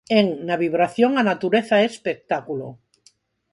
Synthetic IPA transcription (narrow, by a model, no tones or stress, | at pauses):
eŋnaβiβ̞ɾaθjoŋanat̪uɾeθaespek̚t̪akulo̰